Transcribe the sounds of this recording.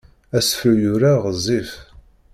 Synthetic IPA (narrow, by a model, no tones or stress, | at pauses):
æsfəljʊɾaʁəzˤif